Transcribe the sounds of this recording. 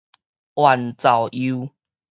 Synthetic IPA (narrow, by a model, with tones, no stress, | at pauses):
ʔwa˨˩nt͡sa˨˩wʔi˧˦